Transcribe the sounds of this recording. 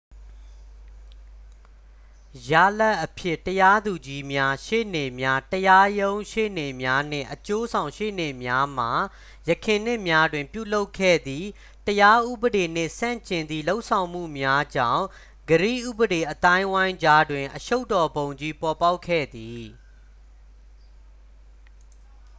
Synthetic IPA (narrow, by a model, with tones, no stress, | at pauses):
ja̰˦˨la˦ʔːəpʰjɪ˦˨təja˦d̪u˨d͡ʑi˦mja˦ʃḛ˦˨ne˨mja˦təja˦jõ˦ʊ̃ʃḛ˦˨ne˨mja˦n̥ɪ̰̃˦˨ʔət͡ɕo˦zʰã˨ʊ̃ʃḛ˦˨ne˨mja˦m̥a˨ | jəkʰɪ̃˨n̥ɪ˦ʔmja˦dwɪ̃˨mpjṵ˦˨lo˦ʊkʰːɛ̰˦˨d̪ði˦˨ | təja˦ʔu˦bəɾe˨n̥ɪ̰̃˦˨sã̰˦˨ɲt͡ɕɪ̃˨nd̪ḭ˦˨lo˦ʊʔsʰã˨ʊ̃m̥ṵ˦˨mja˦d͡ʑã̰˦˨ʊ̃ | ɡəɾḭ˦˨ʔṵ˦˨bəɾe˨ʔət̪ã˦ɪ̃wã˦ɪ̃ɲd͡ʑa˦dwɪ̃˨ʔəʃo˦ʊtːɔ˨bõ˨ʊ̃ɲd͡ʑi˦pɔ˨pa˦ʊkʰːɛ̰˦˨d̪i˨